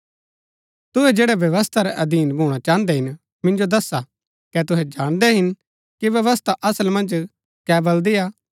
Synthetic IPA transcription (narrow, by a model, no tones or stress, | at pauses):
t̪ʊɦɛd͡ʒeːɽɛʋjɐʋəst̪ʰaɾɛʔɐd̪iːnbʱuːɽ̃at͡ʃãːə̃nd̪ɛɦɪn | mɪ̃nd͡ʒod̪ɐsːa | kɛt̪ʊɦɛd͡ʒaːɽ̃d̪ɛɦɪn | kiʋjɐʋəst̪ʰaʔɐsəlmɐ̃nd͡ʒ | kɛːbɐld̪ɪjaː